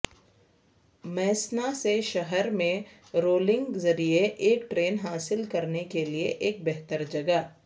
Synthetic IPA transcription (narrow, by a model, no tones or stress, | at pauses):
mɛːsnaseʃɐɦəɾmẽ | ɾoːlɪ̃ŋɡzɐɾieʔeːk̚ʈɾeːnɦaːsɪlkɐɾnekelieʔeːk̚bɛɦt̪əɾd͡ʒɐɡə